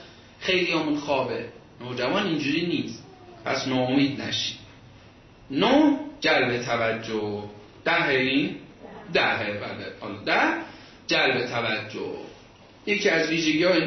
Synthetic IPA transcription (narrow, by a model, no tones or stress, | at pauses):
xe̞jlijɒːmunxɒːbe | noːd͡ʒævɒːnind͡ʒuːɾiːniːst̪ | pʰæ̰snɒːomiːd̪̚næ̰ʃi̥ | nod͡ʒælbet̪ʰævæd͡ʒːo | d̪̥æɦeind̪æɦebælbehɒ̰ːlːd̪æh | d͡ʒælbet̪ʰævæd͡ʒːo̰ | jecʰiæzviːʒeɡiːɒːin